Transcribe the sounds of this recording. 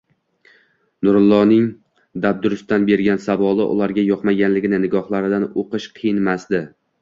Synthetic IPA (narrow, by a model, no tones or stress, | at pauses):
nʊɾʊlˠːɒnɪŋ | d̪ab̚d̪ʊɾʊst̪anbe̞ɾɡʲansavɒlˠɪ̰ʔʊ̰lˠaɾɡʲajɒqmaɡʲanlɪɡʲɪnɪnɪɡɒhlˠaɾɪd̪anoqɨʃqʰɨjɪnmasd̪ɪ